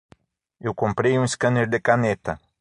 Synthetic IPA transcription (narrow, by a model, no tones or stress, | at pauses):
ewkompɾejuŋskəneɾd̪ekanet̪a